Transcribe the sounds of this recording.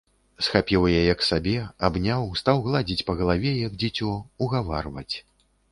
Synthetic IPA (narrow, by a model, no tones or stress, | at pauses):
sxapʲiwjajɐksabʲɛabnʲawst̪awɣlˠad͡zʲit͡sʲpɐɣɐlˠavʲɛjɐɡd͡zʲit͡sʲɔuɣava̰rvɐ̰t͡sʲ